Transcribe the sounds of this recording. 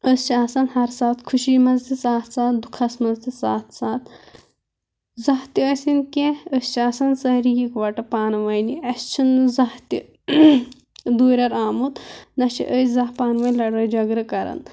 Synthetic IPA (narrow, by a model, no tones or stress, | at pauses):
əst͡ʃʰiaːsɐnhɐɾsaːt̪kʰuʃiːmɐzt̪isaːt̪ʰsaːt̪d̪ukʰɐsmɐzt̪isaːt̪ʰsaːt̪ | zɐɦt̪iɐsʲinkẽəst͡ʃʰaːsɐnsɐɦɾijikʋɐʈɐpaːnʋɐjniɐst͡ʃʰinzɐht̪i | d̪uːɾʲɐɾaːmut̪nɐt͡ʃʰḭʔəsʲzɐɦpaːnʋɐnʲlɐɽɐːd͡ʒɐɡɾɐkɐɾɐ̰n